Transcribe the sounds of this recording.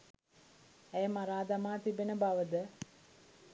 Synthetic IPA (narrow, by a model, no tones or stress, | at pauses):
æjəmaɾaːd̪amaːt̪ibenəbaʋəd̪ə